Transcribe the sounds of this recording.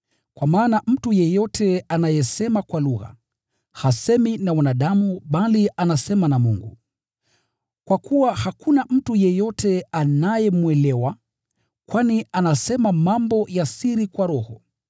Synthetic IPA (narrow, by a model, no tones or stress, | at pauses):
kwamaːnam̩tujɛjɔtʰɛanajɛsɛmakwaluɣa̰ | hasɛminawanaɗamuɓaliʔanasɛmanamuŋɡṵ | kwakuwahakunam̩tujɛjɔtʰɛanajɛmuɛlɛwa | kwanianasɛmamambɔjasiɾikwaɾɔhɔ